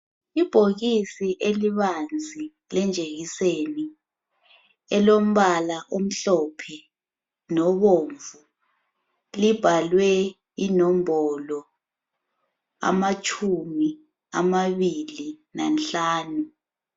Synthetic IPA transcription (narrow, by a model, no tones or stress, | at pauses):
ib̥ʱoɣisiʔeliβand͡zʱi | lɛnd͡ʒʱeɣiseni | ɛlom̩βalaʔom̩ɬɔpʰɛ | nɔβoːɱvu | lib̥ʱalwɛ | inɔm̩bɔlɔ | a̰mat͡ʃʰʼumi | a̰maβilinanɬaːnu